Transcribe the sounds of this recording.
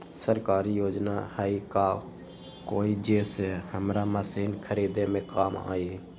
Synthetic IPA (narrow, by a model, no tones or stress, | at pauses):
səɾkaːɾiːjoːd͡ʒnaːhaiːkaː | koːiːd͡ʒeːseːhəmɾaːməsiːnkʰəɾiːd̪eːmẽːkaːma̰ːiː